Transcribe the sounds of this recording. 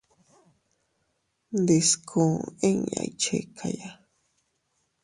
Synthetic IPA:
nd̪e˨skʰũ˨ẽ˦ŋa̰˨it͡ʃḛ˨kʰa˨ja˦

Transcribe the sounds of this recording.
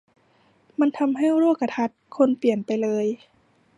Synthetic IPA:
ma˧˥nt̪ʰa˧mɦa˥˩jɾu˥˩kːa˧t̪ʰa˧˥t̪̚kʰo˧˥npi˨˩ənpa˨jlɤː˧j

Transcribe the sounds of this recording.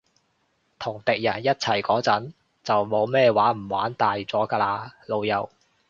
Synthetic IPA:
t̪ʰʊ˨˩ŋt̪ɪ˨k̚jɐ˨˩njɐ˥t̚t͡sʰɐ˨˩jkɔː˨˥t͡sɐ˨˥n | t͡sɐ˨wmo˨˧wmɛː˥˧waː˨˥m̩˨˩wa̰ː˨˥nt̪aː˨jt͡sɔː˨˥kaː˧laː˧lo˨˧wjɐ˨˩w

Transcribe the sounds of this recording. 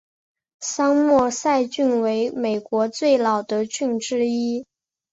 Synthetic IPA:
sɑ˥ŋmwɔ˥˧sa˥˧ɪt͡ɕy˥˩nwe˧˥ɪme˨˩ɪkwɔ˧˥t͡swe˥˩ɪlɑ˨˩ʊd̪ə˦t͡ɕy˥˩nʈ͡ʂɻ̩˥i˥

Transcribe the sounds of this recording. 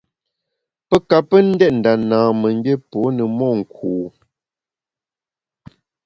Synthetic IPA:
pə˦ka˨pə˦n̩˦dɛ˦t̚n̩˨da˨naː˨mə˨ŋ˦bje˦po˨˦nə˨mɔ˦˨ŋ̩˨kʰuː˨

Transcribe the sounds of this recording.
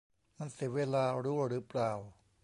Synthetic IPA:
ma˧nsi˨˩˦weː˧laː˧ɾuː˦˥˩ɾɯː˩˦˥plaː˨˩w

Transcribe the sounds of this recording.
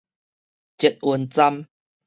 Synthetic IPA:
t͡ɕi˨˩t̪̚ʔwu˧˩nt͡sa˦m

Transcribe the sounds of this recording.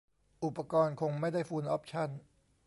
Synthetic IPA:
ʔu˨˩pːa˧kɔː˧nkʰo˧ŋma˥˩jda˥˩jfuː˧nʔɔ˦˥p̚t͡ɕʰa˥˩n

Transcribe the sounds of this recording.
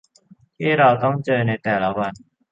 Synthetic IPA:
e˥ɾa˨˩wt̪ɔ˥ŋt͡ɕəː˧˩ne˧˩t̪ɛː˨˩la˨˦wa˨n

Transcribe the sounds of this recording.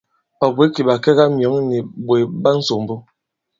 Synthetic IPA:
a˨be˨˦ki˨ba˨kɛ˦ɣa˦mjɔ˨˦ŋni˨bwe˨ba˦n̩˦so˨m˨bo˦

